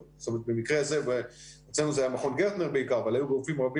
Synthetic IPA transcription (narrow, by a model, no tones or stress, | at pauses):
st̪omet̪̚bemikʁezeveet͡slenuzajamaχonɡeʁt̪neʁbeikaʁavalajuɡufimʁabi